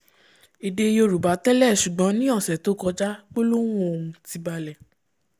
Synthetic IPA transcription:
i˨de˧jo˧ɾu˨ba˨˦tɛ˦lɛ˦˨ʃu˨ɡ͡bɔ̃˨˧˦nĩ˦ɔ̃˦˨sɛ˨to˨˦kɔ˧d͡ʒa˦k͡po˦lo˦w̃ũ˦o˧ũ˧ti˧ba˧lɛ˨

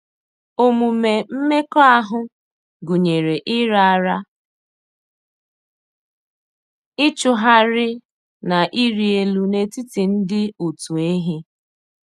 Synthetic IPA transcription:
o˦mu˨me˨m̩˦me˦kɔ˦a˦ɦʊ˦ | ɡu˨ɲe˨ɾe˨ʔɪ˦ɾa˨a˨ɾa˦ | ɪ˦t͡ʃʊ˨ɦa˦ɾɪ˦ | na˨ʔi˦ɾi˨e˨lu˨ne˨ti˦ti˨n̩˦dɪ˦u˨tu˨e˦ɦi˦

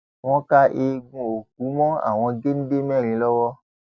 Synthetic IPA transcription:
w̃ɔ̃˦ka˦ʔe˧ɡũ˧o˨k̚u˨˦mɔ̃˦a̰˨w̃ɔ̃˧ɡe˦nĩ˦be˦mɛ̃˦˨ɾĩ˨lɔ˦wɔ˦

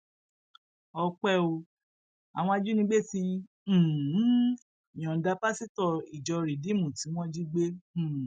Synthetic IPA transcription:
ɔ˧k͡pɛ˦o˧ | a̰˨w̃ɔ̃˧a˧d͡ʒu˦nĩ˧˦ɡ͡be˦˨tĩ˧˦˨ | j̃ɔ̃˨da˧˦pa˦si˦tɔ˧˨i˨d͡ʒɔ˧ɾi˨di˨˦mũ˨ti˨˦w̃ɔ̃˦d͡ʒi˦ɡ͡bẽ˦˨

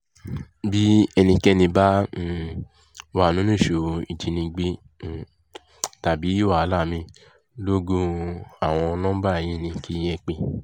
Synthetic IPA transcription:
bi˨˦ɛ˧nĩ˧kɛ˦nĩ˧ba˦ | wa˨nũ˨˦nũ˦˨ʃo˨i˨ti˧nĩ˧ɡ͡be˦˨ | ta˨bi˨˦i˦wa˦˨a˧˦la˦˨mĩ˧ | lo˦ɡũ˦a˦˨w̃ɔ̃˧nɔ̃˦ba˦e˨j̃ĩ˨˦˧nĩ˧ki˦˨j̃ɛ̃˧k͡pe˧

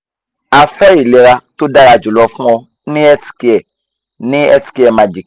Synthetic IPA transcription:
a˨fɛ˦i˨lɛ˨ɾa˧to˦da˧ɾa˧˨d͡ʒu˨lɔ˧fũ˦ɔ˧ | nĩ˦ɛ˦ti̥˨ki˨ɛ˨ | nĩ˦ɛ˦tki˦ɛ˨ma˧d͡ʒi˨k

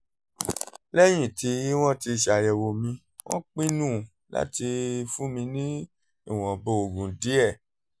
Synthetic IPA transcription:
lɛ˦j̃ĩ˦˨ti˧i˦w̃ɔ̃˦ti˧˨ʃa˨jɛ˨wo˨mĩ˧ | w̃ɔ̰̃˦k͡pĩ˦nũː˦˨ | la̰˦ti˧fũ˦mĩ˧nĩ˦ | i˦˨w̃ɔ̃˨bo˦˨o˨ɡũ˨di˨˦ɛ˦˨

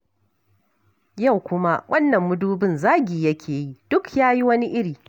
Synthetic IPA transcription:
ja˦˨wkʷʊ˦ma˦wʔɐ˦nːɐ˨mːʊ˦duː˦bɪ˦˨nzaː˦ɡʲiː˨jɐ˦kʲʰeː˨ji˦d̥ʊ˦kjaː˦ji˦wɐ˦ni˦ʔɪ˦ɽiː˨

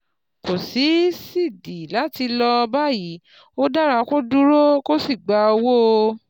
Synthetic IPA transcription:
ko˨si˨˦si˦˨di˨la˨˦ti˧lɔ˧ba˦˨ji˨˦ | o˦da˦ɾa˧ko˦du˦ɾo˦ko˦si˦˨ɡ͡ba˧o˧wo˦˧

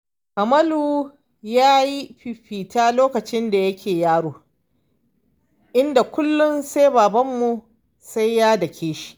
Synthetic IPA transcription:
ʔa˨mɐ˦luː˨ | jaː˦ji˦ɸi˨ɸiː˨taː˦loː˦kɐ˨t͡ʃɪ˦nda˨jɐ˦kʲʰeː˨jaː˦ɽoː˨ | ʔɪ˦nda˨kʷʊ˦lːʊ˦nsa˦baː˨bɐ˦mːu˨ | sa˦jjaː˦dɐ˨kʲʰeː˦ʃi̥˦ʔ

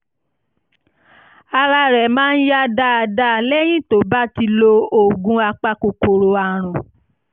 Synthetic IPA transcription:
a˧ɾa˧ɾɛ˨mãː˦n̩˦ja˦da˦a˧da˦˨lɛ˦j̃ĩ˦to˨˦ba˦ti˧lo˧o˨ɡũ˧˦a˧k͡pa˧ko˨ko˨ɾo˨a˨ɾ̃ɔ̃˨

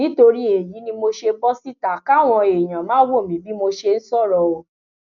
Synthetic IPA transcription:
nĩ˨˦to˧ɾi˦e˨ji˨˦nĩ˧mo˧ʃe˧bɔ˦si˦ta˨ka˦˨w̃ɔ̃˧e˨j̃ã˨mãː˦wo˦˨mĩ˨˦bi˦mo˧ʃe˧n̩˦sɔ˦˨ɾɔ˨o˨

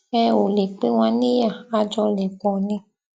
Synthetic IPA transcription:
ɛ˧o˨le˨k͡pe˦w̃ã˧˦ni˦ja˦˨a˧d͡ʒɔ˧lɛ˨k͡pɔ̃˨nĩ˧

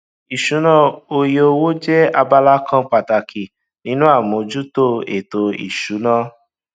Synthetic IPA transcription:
i˨ʃu˨˦nã˦˨o˧jo˧wo˦d͡ʒɛ˦a˧ba˧la˦kʰã˦k͡pa˨ta˨kʰi˨ | nĩ˦nũ˦a˦˨mõ˨˧d͡ʒu˦to˦ḛ˨to˧ḭ˨ʃu˨˦nã˦

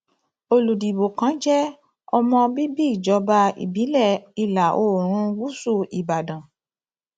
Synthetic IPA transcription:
o˧lu˨di˨bo˨kã˨˦d͡ʒɛ˦ | ɔ˧mɔ̃˧bi˦bi˦i˦˨d͡ʒɔ˨˧˦ba˧ḭ˨bi˨˦lɛ˦˨i˧la˨ʔoː˦˨ɾ̃ũ˧˦ɡ͡bu˦su˦˨i˨ba˨dã˨

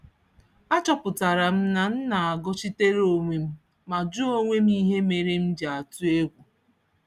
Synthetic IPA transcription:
a˦t͡ʃɔ˦pʊ˨ta˨ɾa˨m̩˦na˨n̩˦na˨a˨ɡɔ˦t͡ʃi˦te˦ɾo˨ŋʷe˨m̩˦ | ma˨d͡ʒu˦o˦ŋʷe˦m̩˦i˦ɦe˦me˨ɾe˦m̩˦d͡ʒa˨a˨tu˦e˦ɡʷu˨

